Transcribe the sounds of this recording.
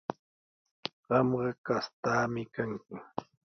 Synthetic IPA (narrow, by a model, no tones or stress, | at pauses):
ɢɑmɢɑkast̪aːmɪkaŋkʊ